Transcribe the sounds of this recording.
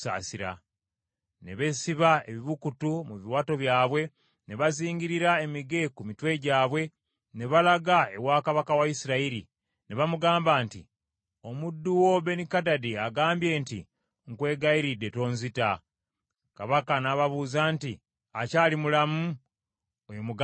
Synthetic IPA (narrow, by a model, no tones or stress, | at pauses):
a̰siɾa̰ | ne̞βe̞siβae̞βiβukutumuβiwaːto̞βjaːβwe̞ | ne̞βaziːɲɟiɾiɾae̞miɡe̞kumitwe̞ɟaːβwe̞ | ne̞βalaɡae̞waːkaβakawaisiɾaiɾḭ | neβamuɡaːmbaːntḭ | o̞mudːuwo̞βe̞nikadadiaɡaːmbje̞ːntḭ | ŋkwe̞ːɡaiɾidːe̞to̞ːnzita | kaβakanaβaβuːzaːnti | acaːlimulamu | ojomuɡ